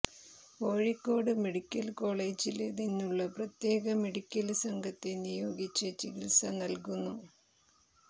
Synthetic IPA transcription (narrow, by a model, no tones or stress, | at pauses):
o̞ːɻikːo̞ːɽɨme̞ɽikʲːɐlko̞ːɭeːd͡ʑilninːuɭːɐprɐt̪je̞ːɣɐme̞ɽikʲːɐlsɐŋɡʱɐt̪ːenijo̞ːɡit͡ɕːɐt͡ɕiɡilsɐnɐlkunːu